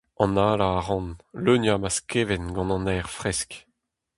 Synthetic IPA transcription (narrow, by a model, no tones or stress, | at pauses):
ɑ̃naːlaːʁɑ̃nlønjamaskeːvɛnɡɑ̃nɑ̃nɛːʁfʁɛsk